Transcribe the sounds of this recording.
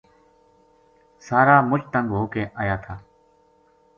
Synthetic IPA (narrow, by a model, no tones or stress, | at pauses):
saːɾaːmʊt͡ʃt̪əŋɡɦoːkẽːʔaːjaːt̪ʰaː